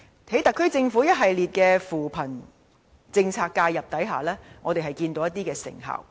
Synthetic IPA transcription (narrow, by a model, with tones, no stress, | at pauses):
he˨˥jt̪ɐ˨kʰːɵ˥jt͡sɪ˧ŋfu˨˥jɐ˥t̚ɦɐ˨jliː˨t̚kɛː˧fuː˨˩pʰɐ˨˩n | t͡sɪ˧ŋt͡sʰaː˧kːaː˧jɐ˨p̚t̪ɐ˨˥jɦa̰ː˨˩lɛː˥ŋɔː˨˧t̪e˨jɦɐ˨jkiː˧nt̪o˨˧wjɐ˥t̪iː˥kɛː˧sɪ̰˨˩ŋɦɐ̰ː˨˩w